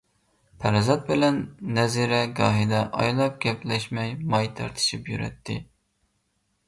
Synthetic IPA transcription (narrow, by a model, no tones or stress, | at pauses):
pʰæɾzɑt̪̚bɪlɛnːɛziɾɛɡɑ̰ːɦid̪ɛʔɑ̰jlˠɑp̚ɡʲɛplɛʃmɛjmɑjt̪ʰæ̰ɾt̪ʰɨ̥ʃipjyɾɛ̰t̪ʰːɪ